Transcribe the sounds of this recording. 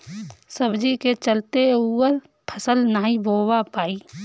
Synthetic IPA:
səbd͡ʒiket͡ʃəlt̪euːəɾ | pʰəsəlnaːiboːwapaːiː

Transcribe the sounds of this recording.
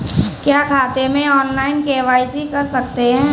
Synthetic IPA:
kjaːkʰaːt̪emẽɔːnlaːɪnkeːʋaːisikɐɾsɐk̚t̪eɦɛ̃ː

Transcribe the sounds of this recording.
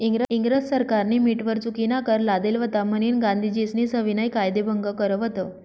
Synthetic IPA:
iŋɡɾəiŋɡɾəssəɾkaɾniːmiʈʋəɾt͡sukinakəɾlad̪elʋət̪aməniːnɡãnd̪ʱid͡ʑisniːsəʋinajkajd̪ebʱəŋɡəkəɾəʋət̪ə

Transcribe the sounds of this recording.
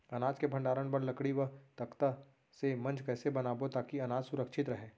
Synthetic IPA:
ɐnaːd͡ʒkebʱɐ̃ɳɖaːɾəɽ̃pɐɾlɐkɽiʋəɦt̪ɐkt̪a | semɐ̃nd͡ʒkɛːsebɐnaːbot̪aːkiɐnaːd͡ʒsʊɾəkʃɪt̪ɾɐɦeː

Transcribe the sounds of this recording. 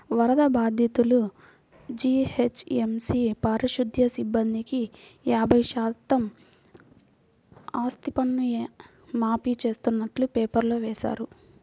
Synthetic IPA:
ʋɐɾɐd̪ɐbaːd̪ʱjɐt̪ulu | d͡ʒiːhet͡ʃemsipɐɾiʃud̪ʱjɐsibːɐnd̪ʱikijaːbʱɐjʃaːt̪ɐm | aːst̪ipɐnːue | maːpit͡ʃe̞ːst̪unːɐʈlupeːpɐɾloːʋɛːʃa̰ːɾu

